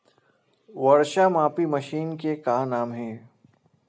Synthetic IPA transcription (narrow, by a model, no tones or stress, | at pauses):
ʋɐɽʃamãːpimɐʃiːnkekaːnaːmɦɛ̃ː